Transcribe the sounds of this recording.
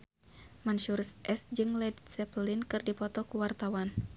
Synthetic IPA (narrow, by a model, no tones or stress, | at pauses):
manʃuɾsʔɛsd͡ʒɨŋlɛd̪sɛplinkɨrdipɔt̪ɔkuwart̪awan